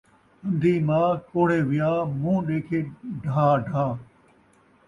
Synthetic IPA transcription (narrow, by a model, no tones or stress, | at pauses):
ɐ̃nd̪ʱiːmãːkoːɽ̤eːʋɪjaːmũːɗeːkʰeːɖʱaːɖʱaː